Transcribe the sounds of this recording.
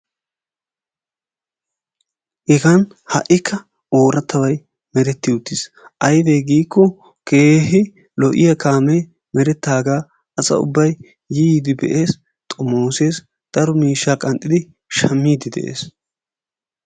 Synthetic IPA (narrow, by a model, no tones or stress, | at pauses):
ʔɛɡɐn | hɐ̰ʔɪkʰːɐ | oːɾɐt̪ːɐwɐj | mɛɾɛt̪ːɪʊt̪ːɪs | ʔɐjd̪eːɡiːkːɔ | ke̞ːɦɪ | lɔʔɪjɐkaːmɛ | mɛɾɛt̪ːaːɡaː | ɐsɐ̰ʊ̰bːɐjː | iːd̪ɪbɛʔe̞ːs | t̪ʼɔmoːseːs | d̪̥ɐɾɔmiːʃːaːkʼɐnt̪ʼɪd̪ɪ | ʃɐmːiːd̪ɪd̪ɛ̰ʔḛːs